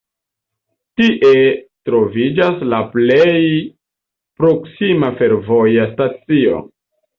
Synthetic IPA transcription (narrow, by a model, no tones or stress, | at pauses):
tiʔe̞tɾo̞vid͡ʒaslaplej | pɾo̞ksimafe̞ɾvo̞jastat͡sio̞̰